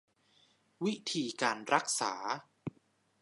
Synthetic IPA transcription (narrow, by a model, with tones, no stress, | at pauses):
wi˦˥t̪ʰiː˧kaː˧nɾa˦˥k̚sa̰ː˩˦